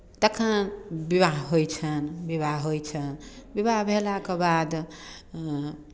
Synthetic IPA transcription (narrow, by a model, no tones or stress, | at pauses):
t̪əkʰãbibaɦɦojt͡ʃʰənbiβaɦɦojt͡ʃʰənbibaɦbʱelakebad̪